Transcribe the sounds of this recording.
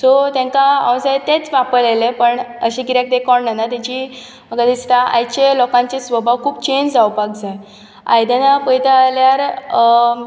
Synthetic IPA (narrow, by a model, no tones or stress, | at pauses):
sot̪jãŋkaɔ̃wsajt̪ːet͡sʋapəɭelepəɳəɕĩkiɾjak̚d̪ekɔɳnanat̪at͡ɕiː | məɡad̪ist̪aʔa̰jt͡ɕelɔkãɲt͡ɕesʋəbʱaʋkʰuːb̚t͡ɕeɲd͡ʑd͡zawpak̚d͡zaj | a̰jd̪anapəjt̪aːljaɾ